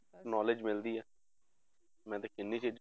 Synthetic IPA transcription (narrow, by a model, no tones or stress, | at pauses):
nɔːlɪd͡ʒmɪld̪iːɛː | mɛ̃ːt̪eːkɪnːiːt͡ʃɪd͡ʒ